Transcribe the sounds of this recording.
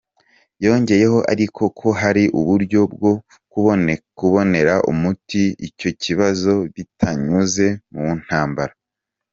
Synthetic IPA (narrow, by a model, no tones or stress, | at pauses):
jo̞ːɲɟe̞je̞ɦo̞ʔaɾikʰo̞kʰo̞ɦaɾiʔṵβuɾɟo̞bɡo̞ | kuβonekuβo̞ne̞ɾaʔṵmutiico̞cʰiβazo̞βitʰaɲuze̞muβun̥haːmbaɾa